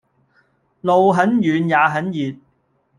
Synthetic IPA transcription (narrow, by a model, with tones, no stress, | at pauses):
lo˨wɦɐ˨˥njyː˨˧njaː˨˧ɦɐ˨˥njiː˨t̚